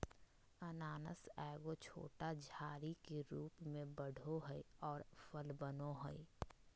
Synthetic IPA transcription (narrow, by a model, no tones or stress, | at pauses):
ənaːnə̰sɛːɡot͡ʃʰo̰ːʈad͡ʒʱaːɾikeɾuːpmẽbəɽ̤ʱoɦəiɔːɾfʰəlbənoɦo̰i